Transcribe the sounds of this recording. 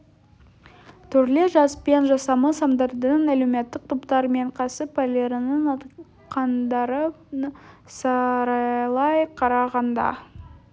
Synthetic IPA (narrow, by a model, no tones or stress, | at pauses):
t̪ʰʏɾle̞ʒɑspe̞nʒɑsɑməsɑmd̪ɑɾd̪ənæle̞wme̞t̪ːɪk̚t̪ʰʊpt̪ɑɾme̞ɴqʰɑsəpalʲeɾɪnənɑ | qʰɑnd̪ɑɾə | sɑɾɑlˠɑjqʰɑɾɑʁɑnd̪ɑ̰